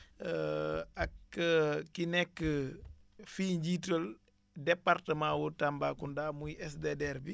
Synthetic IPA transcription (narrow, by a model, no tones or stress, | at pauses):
akːəkːinɛkːə | fiɲd͡ʒitəl | depaɾtəmaːwutambakundaːmujɛsdedɛɾbi